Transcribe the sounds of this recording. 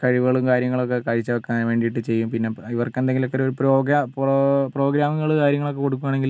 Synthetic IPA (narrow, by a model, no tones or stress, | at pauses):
kɐɻiʋuɣɐɭumkaːɾjɐŋːɐɭokːekɐɻit͡ɕːɐʋɐkːenʋe̞ːɳɖijiʈ̬ːɨt͡ɕe̞jːumpinːe̞iʋɐrkːɨend̪eŋɡilokːeoɾupɾoːɡappro̞ːɡɾaːmɐɣɐɭukaːɾjɐŋːɐɭo̞k̬ːe̞ko̞ɽuk̬ːuʋaːɳeŋɡil